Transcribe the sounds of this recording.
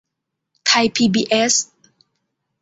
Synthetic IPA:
t̪ʰa˧jpʰiː˧biː˧ʔe˦˥s

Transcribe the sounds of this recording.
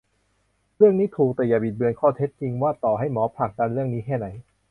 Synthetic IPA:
ɾɯ˥˩əŋniː˦˥t̪ʰuː˨˩k̚t̪ɛː˨˩jaː˨˩bi˨˩t̪̚bɯ˧ənkʰɔː˥˩t̪ʰe˦˥t̪̚t͡ɕi˧ŋwaː˥˩t̪ɔː˨˩ɦa˥˩jmɔː˨˦pʰla˨˩k̚da˧nɾɯ˥˩əŋniː˦˥kʰɛː˥˩na˩˦j

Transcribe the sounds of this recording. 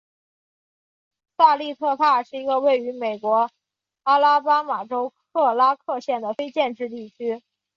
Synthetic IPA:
sa˥˧li˥˧t̪ʰɤ˥˧t̪ʰa˥˧ʂɻ̩˥˩i˧˥ɡə˧we˥˩ɪy˧˥me˨˩ɪkwɔ˧˥ | a˥la˥pa˥ma˨˩ʈ͡ʂo˥ʊkʰɤ˥˩la˥kʰɤ˥˧ɕjɛ˥˩nd̪ə˩fe˥ɪt͡ɕjɛ˥˧nʈ͡ʂɻ̩˥˧t̪i˥˩t͡ɕʰy˥

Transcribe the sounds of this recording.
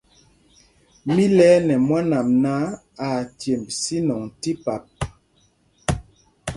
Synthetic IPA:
mi˦lɛː˦nɛ˨mwa˦na˨mna˦ | a˨tje˨mbsi˦nɔ˨ŋti˦pa˨p̚

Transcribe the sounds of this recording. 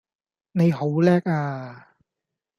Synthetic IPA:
ne˨˧jho˨˥wlɛː˥k̚aː˧

